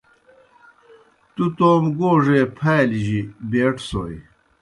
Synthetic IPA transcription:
t̪ut̪oːmɡoːʐepʰaːliʑibeːʈso̰ːj

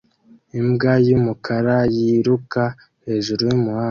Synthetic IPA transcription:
imɡajumukʰaɾajiɾuka | he̞ːʒuɾujumuha

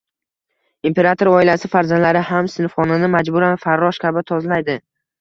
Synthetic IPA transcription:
impʰe̞ɾat̪ʰoɾɒɪlasɪfaɾzand̪laɾɪhamsɪnfχɒnɪnɪmad͡ʒbʊɾanfaɾːɒʃkʲabɪt̪ʰɒzlajd̪ɪ

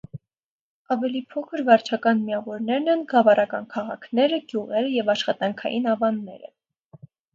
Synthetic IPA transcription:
ɑvɛlipʰɔkʰəɾvɑɾt͡ʃʰɑkɑnmiɑvɔɾnɛɾnɛnɡɑvɑrɑkɑnkʰɑʁɑ̰kʰnɛɾəɡjuʁɛɾəjɛvɑʃχɑt̪ɑŋkʰɑ̰jinɑvɑnːɛ̰ɾə̰

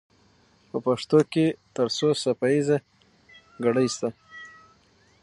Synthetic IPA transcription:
pəpaʂt̪oket̪əɾsosapaiza | ɡaɽəjst̪a

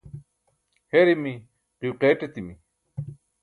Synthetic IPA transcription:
heɾimi | qiwqeːʈet̪imi

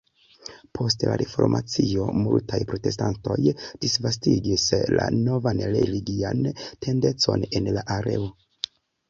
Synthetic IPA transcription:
pʰo̞stla̰ɾefo̞̰ɾmʔat͡sio̞multajpɾo̞te̞s̬tanto̞jd̥isvastiɡisla̰no̞vanɾe̞liɡiantʰe̞nde̞t͡so̞̰ne̞nlaʔaɾe̞o

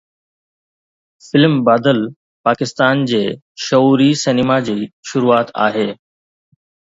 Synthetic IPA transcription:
fɪlmbaːd̪əl | paːkɪst̪aːnd͡ʑeː | ʃɐuːɾisɪnɪmad͡ʑiːʃʊɾuaːt̪a̰ːɦeː

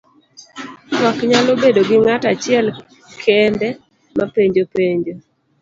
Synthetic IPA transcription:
tɔkɲalobedoɡɪŋatat͡ʃɪɛl | kʰɛndɛ | mapeɲd͡ʒopeɲd͡ʒo

